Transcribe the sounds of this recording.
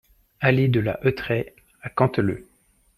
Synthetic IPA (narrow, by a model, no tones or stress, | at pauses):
alid̪əla̰ʔøt̪χɛ | akɑ̃t̪ələ̰